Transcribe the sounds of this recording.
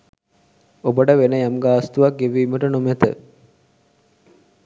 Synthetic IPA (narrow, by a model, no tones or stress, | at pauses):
obəɖəʋenəjamɡaːst̪uʋak̚ɡeʋiːməʈənumet̪ə̰